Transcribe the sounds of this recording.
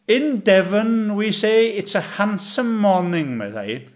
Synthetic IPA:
ɪndɛvənwisejɪtsəhansəmːɔnɪŋmɛ̰ða̰j

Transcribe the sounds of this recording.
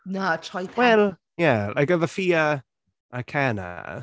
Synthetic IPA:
nat͡ʃʰajpʰwɛlˠ | jælʔaɪkəðəfiːə | ʔəkʰanə̰

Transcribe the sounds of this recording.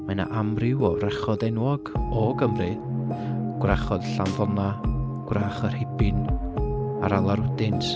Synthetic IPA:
mana̰ʔamrɪwɔrɛχɔdɛnwɔɡɔɡəmrɨ | ɡ̥wraχɔð̥ɬanðɔnaɡ̥wraːχər̥hɪbɪn | aɾalˠaɾʊdɪntʰ

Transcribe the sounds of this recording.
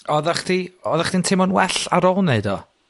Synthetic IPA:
ɔðaχd̥iɔðaχd̥intʰɪmɔnwɛɬaɾɔlˠneɨdɔ

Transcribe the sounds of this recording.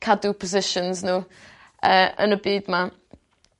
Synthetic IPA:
kʰadupʰɔzɪʃənznuː | əːə̰nəbiːdma

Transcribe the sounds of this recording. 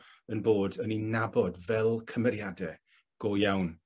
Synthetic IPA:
ənboːdəninabɔdvɛlˠkʰəmɛɾjadɛ | ɡ̥ojawn

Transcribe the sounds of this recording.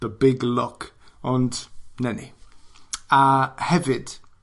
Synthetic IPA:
ðəbɪɡlɔkəndnɛnḭ | əhɛvɪd̥

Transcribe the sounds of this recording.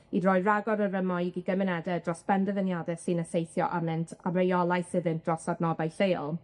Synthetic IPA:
idrɔːjraɡɔɾəɾəmɔjɡiɡəmɛnɛdɛdrɔsb̥ɛndəvənjadɛsɨnəsejθjɔ̰ʔamɛntʰavrejɔlˠajsɨðɨntd̥rɔsadnɔbajɬejlˠ

